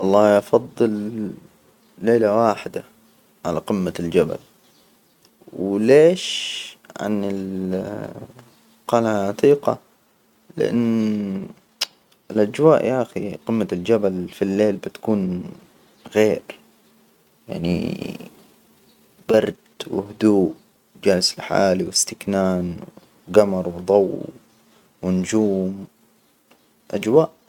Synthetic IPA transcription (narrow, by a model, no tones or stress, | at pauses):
ʔɑlˤːɑːʔɑfɑðˤːɨl | eːlawaːħɪd̪a̰ | ʕalaqɪmːald͡ʒaba̰l | wleːʃʕa̰nɪl | qɑlhaʕat̪iːqɑ̰ | lɪ̰ʔɪ̰nː | ɪlʔad͡ʒwaːʔjʔaʔxiqɪmːald͡ʒabalfilːeːlbɪt̪ḁkuːn | ɣeːɾ | ja̰ʕnḭ | b̥ɑɾˤd̪wɪ̰hʊd̪uːʔ | d͡ʒaːlɪsɪlħa̰ːliwɪst̪ɪknaːn | ɡamɑɾˤwd̪ˤɑw | wɪnd͡ʒuːm | ʔad͡ʒwaːʔ